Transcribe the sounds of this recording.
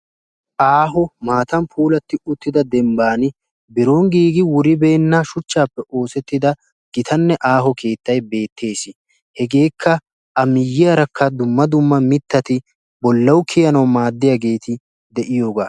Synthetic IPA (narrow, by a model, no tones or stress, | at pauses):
ʔaːɦɔmaːt̪ɐmpʰuːlɐt̪ːɪʊt̪ːɪd̪ɐd̪ɛmbaːnɪ | bɪɾo̞ːŋɡiːɡɪwʊɾɪbeːnːɐʃʊt͡ʃːaːpːɛʔo̞ːsɛt̪ːɪd̪ɐ | ɡ̥ɪt̪ʰɐnːɛʔaːɦɔkʰe̞ːt̪ːɐjbe̞ːt̪ʰːe̞ːsɪ | hɛɡe̞ːkʰːɐ | ɐmɪjːɪjɐɾɐkʰːɐd̪ʊmːɐd̪ʊmːɐmɪt̪ːɐt̪ɪ | bɔlːɐwʊkʰɪjɐnɐwmaːd̪ːɪjaɡe̞ːt̪ʰɪ | d̪ɛʔɪjo̞ːɡaː